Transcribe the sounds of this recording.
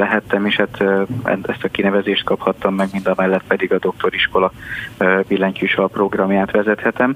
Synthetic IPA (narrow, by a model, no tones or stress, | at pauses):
lɛɦɛt̪ːɛmeːʃhat̪ɛ̰ɛst̪ɒkinɛvɛzeːʃt̪̚kɒphɒt̪ːɒmːɛɡmind̪ɒmɛlːɛt̪pɛd̪iɡɒd̪o̞k̚t̪o̞ɾiʃko̞lɒ | bilːɛɲcyʃɒlpro̞ɡrɒmjaːt̪ʋɛzɛt̪hɛt̪ɛm